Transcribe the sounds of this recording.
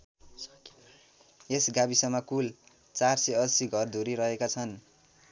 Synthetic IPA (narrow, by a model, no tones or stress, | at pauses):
esɡabisʌmːʌkul | t͡sarseʌsiɡʱʌrd̪ʱoɾiɾʌɦekat͡sʰʌn